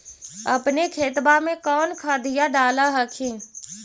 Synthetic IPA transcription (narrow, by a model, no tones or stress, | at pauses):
əpnekʰeːt̪bamẽkɔːnkʰaːd̪ijaɖaːlaɦəkʰẽː